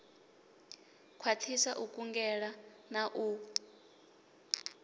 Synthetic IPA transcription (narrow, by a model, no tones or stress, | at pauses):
kʰwat͡ɬʰisaʔukʼuŋɡɛɺanaʔu